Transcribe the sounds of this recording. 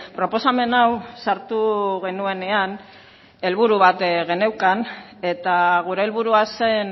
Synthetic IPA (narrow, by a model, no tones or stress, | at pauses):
pɾo̞po̞same̞nawsaɾt̪uɣ̞e̞nue̞ne̞an | e̞lβ̞uɾuβat̪ɣe̞ne̞wkan | e̞t̪aɣ̞uɾe̞ːlβuɾuase̞n